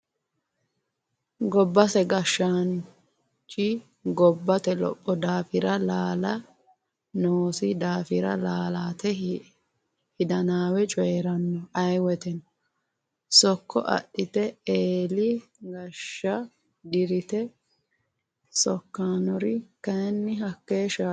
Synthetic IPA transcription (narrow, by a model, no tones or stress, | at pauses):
ɡɔbːɐsɛɡɐʃːan | t͡ʃʼi | ɡɔbːɐt̪ɛlɔ̰pʼːɔd̪aːfɪɾɐlaːlɐ | noːsɪd̪aːfɪɾɐ̰laːlaːt̪ɛ | hɪd̪ɐnaːwɛt͡ʃʼɔjɛɾɐnːɔɐjwɛt̪ɛnɔ | sɔkːɔ̰ʔɐ̰ɗːɪt̪ɛeːlɪɡɐʃːɐ | d̪ɪɾɪt̪ɛ | sɔkːaːnɔɾɪkɐnːɪɦɐkːeːʃa